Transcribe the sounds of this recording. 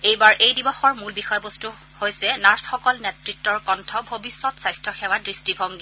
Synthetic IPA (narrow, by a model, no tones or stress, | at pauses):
ejbaɹʔejdibɔxɔɹmulbixɔjɔbostu | hojsɛnaɹsxɔkɔlnɛtɹitːɔɹkɔntʰɔbʱobisːɔtsajstɹɔxɛwadɹistibʱɔŋɡi